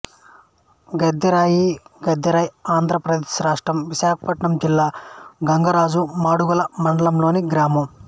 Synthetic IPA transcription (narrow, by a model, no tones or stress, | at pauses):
ɡɐd̪ːɐɾaːjiɡɐd̪ːɐɾaːjaːnd̪ʱɾɐpɾɐd̪eːʃɾaːʂʈɾɐmʋiʃaːkʰɐ̥pɐʈɳɐmd͡ʒilːaːɡɐŋɡɐɾaːd͡ʒumaːɽuɡɐlɐmɐɳɖɐlɐmlo̞ːniɡɾaːmɐm